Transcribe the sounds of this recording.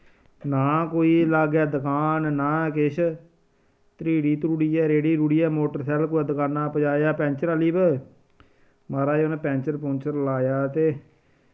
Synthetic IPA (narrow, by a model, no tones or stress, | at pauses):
naːkoːiːlaːɡɛːd̪əkaːnnaːkɪʃʰ | t̪ɾiːɽiːt̪ɾuːɽiːɛːɾeːɽiːɾuːɽiːɛːmoːʈəɾsɛːlkoːd̪əkaːnːaːpəd͡ʒaːjaːpɛ̃ːnt͡ʃəɾaliːb | maːɾaːoːneːpɛ̃ːnt͡ʃəɾpõːnt͡ʃəɾlaːjaːt̪eː